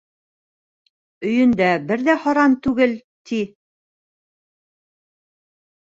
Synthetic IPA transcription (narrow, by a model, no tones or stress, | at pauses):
ɵ̆jɵ̆nd̪æbɘɾðæhɑɾɑnt̪ʉɡɘl | t̪i